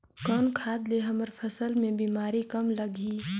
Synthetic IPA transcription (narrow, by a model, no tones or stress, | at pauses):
kɔnkʰaːd̪leɦəməɾpʰəsəlmẽbiːmaːɾikəmləɡi